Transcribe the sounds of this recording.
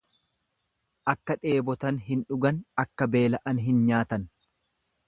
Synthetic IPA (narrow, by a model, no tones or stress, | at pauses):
ʔɐkːɐᶑe̞ːbɔt̪ɐnɦɪnᶑʊɡɐnɐkːɐbe̞ːlɐʔɐnɦɪnɲaːt̪ɐn